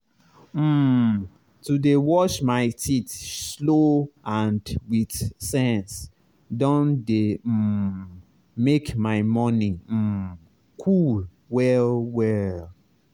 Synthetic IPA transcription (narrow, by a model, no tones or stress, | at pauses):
m̩ | tudewɔʃmaɪtʰitsloãndwiθsɛ̃ns | dɔ̃nde | mekmaɪmɔnim̩ | kʰul | wɛlwɛl